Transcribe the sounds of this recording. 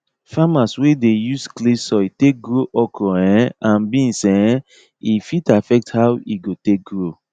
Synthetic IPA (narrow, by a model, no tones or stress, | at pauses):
famaswedejusklesɔitek̚ɡɾoʔɔkɾɔɛ̃ãnbĩnsɛ̃ | ifitafɛk̚thawiɡotek̚ɡɾo